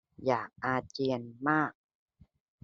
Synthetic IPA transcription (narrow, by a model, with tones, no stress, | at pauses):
jaː˨˩k̚ʔaː˧t͡ɕi˧ənmaː˥˩k̚